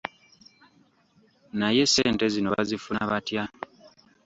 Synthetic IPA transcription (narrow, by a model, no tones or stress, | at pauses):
naje̞se̞ːnte̞zino̞βa̰zifunaβatja